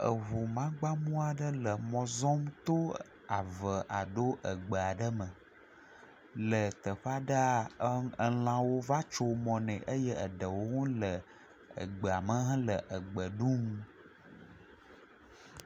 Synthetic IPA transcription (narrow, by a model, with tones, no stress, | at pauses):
ə̰˨βu˨mã˦ɡ͡ba˦mũ˦a˨ɖə˦lə˨mɔ̃˨zɔ˦mt̪o˦ | a˨və˨ʔa˨ɖo˦ʔə˨ɡ͡bə˨a˨ɖə˦mə˨ | lə˨t̪ə˨ɸa˦ɖə˦a˦ə˨l̃ã˦wo˦va˦t͡ʃo˦mɔ̃˨nɛ̃˨ʔə˦jə˦ə˨ɖə˨wo˦ŋũ˦lə˨ | ə̰˨ɡ͡bə˨a˨mə̃˦ɦã˦lə˨ʔə˨ɡ͡bə˨ɖũ˦m